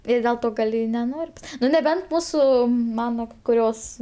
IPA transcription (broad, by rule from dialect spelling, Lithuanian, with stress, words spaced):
ɪr dʲeːlˠ ˈtoː ˈɡɐlʲ ɪ nʲɛˈnoːrʲ ˈnʊ nʲɛˈbʲɛnt ˈmuːsʊ ˈmɑːnoː kʊˈrʲoːs